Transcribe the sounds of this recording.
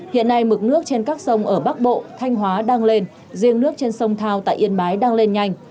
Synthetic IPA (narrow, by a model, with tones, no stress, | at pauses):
hḭ˧˨ənːa˧jmɨ˨˩k̚nɨ˦˥ək̚t͡ɕe˧nkaː˦˥k̚sə˧wŋ͡mʔəː˧˩ɓa˦˥k̚ɓo̰˧˨t̪ʰa˧jŋ̟ɦwaː˨˦ɗaː˧ŋle˧n | zi˧əŋnɨ˦˥ək̚t͡ɕe˧nsə˧wŋ͡mt̪ʰaː˧wt̪a̰ː˧˨jʔi˧˩ənɓaː˨˦jɗaː˧ŋle˧nɲa˧jŋ̟